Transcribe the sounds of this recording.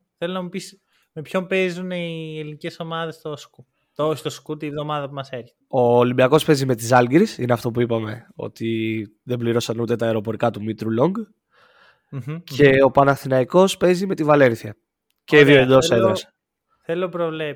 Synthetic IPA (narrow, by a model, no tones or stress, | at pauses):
θelonɐmupis | me̞pço̞mpe̞zunielinice̞so̞mɐðe̞st̪osku | t̪ost̪oskut̪ivðo̞mɐðɐpumɐseɾçe̥t̪eo̞ːlimbiɐko̞spe̞zime̞t̪isɐlɡiɾisineɐft̪o̞puipɐme̞o̞̰t̪i | ðe̞mbliɾo̞sɐnut̪et̪ɐeɾo̞po̞ɾikɐt̪umit̪ɾulo̞ŋɡ | ce̞o̞pɐnɐθinɐiko̞spe̞zime̞t̪ivɐle̞nθiɐ | ceiðioed̪o̞sɐeðos | θelopɾovle